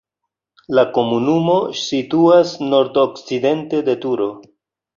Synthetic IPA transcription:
lako̞munumo̞situasno̞ɾtokt͡side̞nte̞de̞tuɾo̞

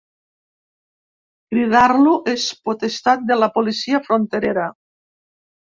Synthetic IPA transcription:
kɾiðaɾluʔespot̪est̪at̪̚d̪elapolisiafɾont̪eɾeɾa

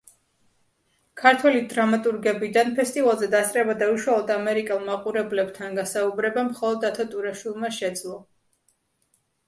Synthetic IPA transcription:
kʰaɾt̪ʰwɛlid̪ɾamat̪ʼuɾɡɛbid̪anpʰɛst̪ʼivalˠzɛd̪ast̪ʼɾɛbad̪auʃwalˠɔd̪amɛɾikʼɛlˠmaqʼuɾɛblɛb̥t̪ʰanɡasaubɾɛbamχɔlˠɔd̪at̪ʰat̪ʼuɾaʃwilˠmaʃɛd̪zlˠɔ

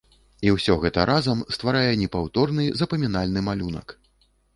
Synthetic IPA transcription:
iwsʲɔɣɛt̪ɐɾʔazɐmst̪vaɾajɛnʲɛpawt̪ɔrnɨzɐpɐmʲinalʲnɨmalʲunɐ̰k

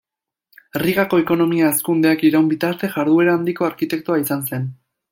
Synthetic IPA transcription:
riɣako̞eko̞no̞miaeskund̪e̞akiɾawmbit̪aɾt̪e̞ʝaɾðue̞ɾaːnd̪iko̞aɾkit̪e̞k̚t̪uaisanse̞n

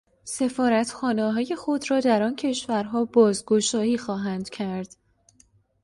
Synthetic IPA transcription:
se̞fɒːɾæt̪ʰxɒːneɦɒːje̞xo̞d̪ɾɒːd̪æɾɒːncʰe̞ʃvæɾɦɒːbɒːzɡo̞ʃɒːhiːxɒːɦænd̪̥cʰæɾd̪̥

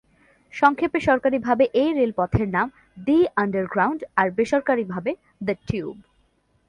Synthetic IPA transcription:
ʃɔŋkʰepeʃɔɾkaɾibʱabeʔejɾelpɔt̪ʰeɾnam | d̪iaɳɖəɾɡɾawɳɖaɾbeʃoɾkaɾibʱabe | d̪əʈjub

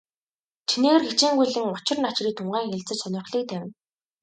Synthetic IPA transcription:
t͡ɕʰineːɣɘ̆rxet͡ɕiːŋɡujɮɘ̆ŋʊt͡ɕɪ̆rnat͡ɕriːk̚t̪ʰʊɴɢæːŋxeɮt͡sɘ̆t͡ɕsœnʲɪ̆rχɮiːk̚t̪ʰæwʲɪ̆n

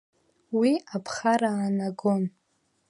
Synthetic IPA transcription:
wiapʰχaɾaːnaɡon

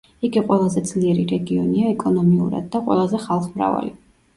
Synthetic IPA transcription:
iɡiqʼwɛlˠazɛd̪zliɛɾiɾɛɡiɔ̰niaɛkʼɔnɔmiṵɾa̰d̪̚ːaqʼwɛ̰lˠazɛχalˠχmɾa̰va̰li

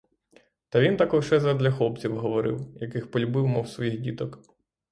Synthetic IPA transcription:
t̪ɐʋʲint̪akɔwʃɛzɐd̪lʲɐxlˠɔpt͡sʲiwɦɔʋɔɾɪ̰wjɐkɪxpɔlʲʊbɪwmɔwsʋɔjiɣdʲit̪ɔk

